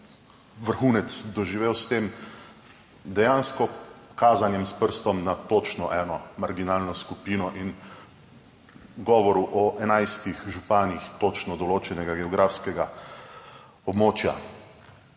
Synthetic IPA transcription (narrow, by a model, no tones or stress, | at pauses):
ʋəɾxuːnɛt̪sd̪ɔʒiʋeːwst̪eːm | d̪ɛjaːnskɔkaːzanjɛmspəɾst̪ɔmnat̪ot͡ʃnɔʔɛːnɔmaɾɡinaːlnɔskupiːnɔʔin | ɡɔːʋɔɾuʔɔʔɛnajst̪ixʒupaːnixt̪ot͡ʃnɔd̪ɔloːt͡ʃɛnɛɡaɡɛɔɡɾʔaːfskɛɡa | ɔbmoːt͡ʃja̰